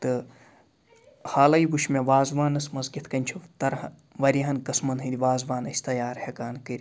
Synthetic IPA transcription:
t̪ɨ | haːlɐjbuʃmeʋaːzʋaːnɐsmɐzɡit̪ʰkɐnʲt͡ʃʰut̪ɐɾhɐ | ʋɐɾʲiɦɐnkɐsmɐnɦɨd̪ʲiʋaːzʋaːnɐsʲt̪ɐjaːɾhekaːnkɨɾʲi

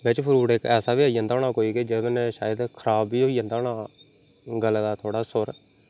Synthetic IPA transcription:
ʋɪt͡ʃpʰɪɾuːɽekɛːsaːbiːaːijãnd̪aːnaːkoːiːkeːd͡ʒed̪nɛːʃaːjəd̪kʰəɾaːbiːɦoːiːãːnd̪aːɳaː | ɡəld̪aːt̪ʰoːɽaːsʊɾ

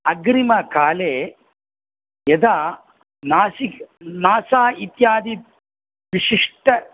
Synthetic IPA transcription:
ɐɡɾimɐkaːleː | jɐd̪aː | naːsiknaːsaːit̪jaːd̪i | ʋiʂiʂʈɐ

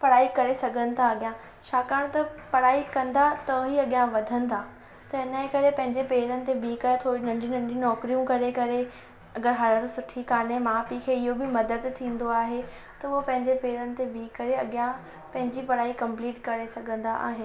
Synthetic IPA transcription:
pɐɽaːikɐɾesɐɡʱə̃nɪt̪ʰaɐɠjã | t͡ɕʰaːkaːɽ̃t̪ɐpɐɽaːikɐ̃nd̪at̪ɐɦiɐɠjãʋɐd̪ʱə̃nd̪aː | t̪ɐɪnəekɐɾepɐ̃ɦɪ̃ɲd͡ʑepeːɾənɪ̆t̪̬ebiːkət̪ʰoːɾinɐ̃ɳɖʱĩnɐ̃ɳɖijũnɔːkɾijũkɐɾekɐɾe | ɐɡəɾɦaːlət̪sʊʈʰikaːnemãpikʰeɪɦobɪmɐd̪əd̪t̪ʰĩːn̆d̪oaːɦe | t̪ɐʊɦopɐ̃ɦɪ̃ɲd͡ʑepeːɾənɪ̆t̪ebiːkːɐɾeɐɠjã | pɐ̃ɦɪ̃ɲd͡ʑipɐɽaːikɐ̃mpliːʈkɐɾesɐɡʱə̃nd̪aʔa̰ːɦɪnɪ

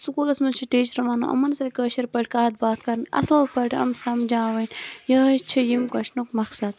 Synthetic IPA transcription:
sukuːlɐsmɐt͡ʃʰiʈeːt͡ʃɾɐʋaːnṵʔɐ̰mɐnsɐkəːʃɐɾpɐʈʰʲkaːɐt̪̚baːt̪kɐɾnʔɐ̰slɐlpɐʈʰɐ̰msɐmd͡ʒaːʋɐnjɐt͡ʃʰijimkɐʃnukmɐksɐd̪

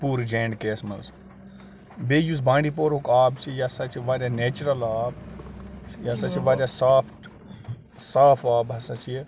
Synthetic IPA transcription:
puːɾd͡ʒeːɳɖkeːsmɐls | beːjus̬bãːɳɖiːp̬oːɾokaːbt͡ʃʰijasɐt͡ʃʰiʋaːɾʲaneːt͡ʃuɾɐlaːb | jasɐt͡ʃʰiʋaːɾʲasaːpʰʈ | saːpʰaːbɦɐsɐt͡ʃʰi

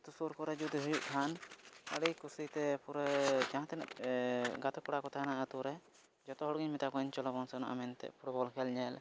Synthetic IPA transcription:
t̪usuɾkɔɾɛd͡ʒud̪iɦujuʔk̪ʰanə̰ɽijkusit̪ɛpuɾɛd͡ʒãɦãt̪ɛna̰ | ɡat̪ɔkɔɽakɔt̪ʰanaʔat̪uɾɛ | d͡ʒɔt̪ɔɦɔɽɡiɲmɛt̪akɔɲt͡ʃɔlɔbɔnsɛna̰ʔamɛnt̪ɛ̰ʔpʰuʈbɔlkʰɛlɲɛl

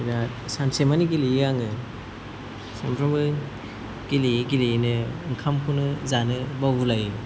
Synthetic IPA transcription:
iɾa | sansemaniɡilijijaŋɯ | sampʰɾɔmbɯ | ɡ̥iliiɡiliinɯɯŋkʰamkʰunɯzanɯbawbulaji

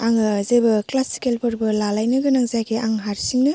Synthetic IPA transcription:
aŋzebɯklasi̥kelpʰɔɾbɯlalajnɯɡɯnaŋzajɡeʔaŋɦaɾsiŋnɯ

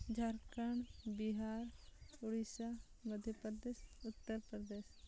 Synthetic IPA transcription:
d͡ʒʱaɾkaɳbiɦaːɾʊɽisa | məd̪ʱjəpɾd̪eːsʊt̪ːəɾpɾəd̪eːs

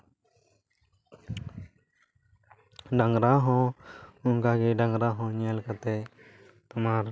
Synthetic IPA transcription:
ɖəŋɡɾaːɦõːʊŋkaːɡeːɖə̃ŋɡɾaːɦõːɲeːlkət̪eː | t̪ʊmaːɾ

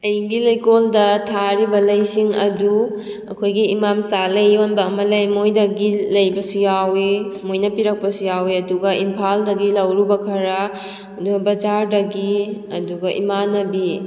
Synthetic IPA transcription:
ɐjɡilɐjkoldɐtʰaɾibɐlɐjsiŋɐ̰du | ɐ̰kʰojɡiimamsalɐjonbɐːmɐlɐjmojdɐɡilɐjbɐsujawimojnɐpiɾɐk̚pɐsujawiɐduɡɐʔimpʰaldɐɡilɐwɾubɐkʰɐɾɐ | ɐduɡɐbɐd͡ʒaɾdɐɡiɐduɡɐʔḭmanɐbi

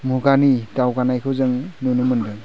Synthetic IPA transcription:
muɡanidawɡanajkʰɯwzɯŋnunumɯndɯŋ

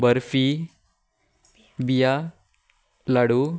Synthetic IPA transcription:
bəɾfi | bija | laɽu

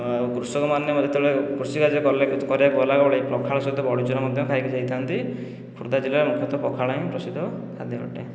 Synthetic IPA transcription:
kɾusɔkɔmanːjɔmɔd̪ʱjɔt̪ebeɭekɾusikad͡ʒkɔɾlekkɔɾjakɔlaɡɔbɔɭepɾɔkʰaɭɔsɔit̪ɔbɔɽit͡ʃɔnamɔd̪ʱjɔkʰaikid͡ʒajt̪ʰant̪i | kʰuɾd̪ad͡ʒilaɾemukʰjɔt̪ɔpɔkʰaɭaĩpɾɔsid̪ʱɔkʰad̪ʱjɔɔ̰ʈe

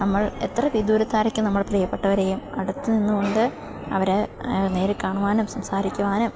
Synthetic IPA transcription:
nɐmːɐɭe̞̰t̪rɐʋid̪uːɾɐt̪ːaːɾɐkʲːɨnɐmːɐɭprɐjɐpːe̞ʈːɐʋɐɾe̞ːjumɐ̰ɽut̪ːɨninːuko̞ɳɖɨ | ɐ̰ʋɐɾene̞ːɾɨkaːɳuʋaːnumsɐmsaːɾikʲːuʋaːnɐm

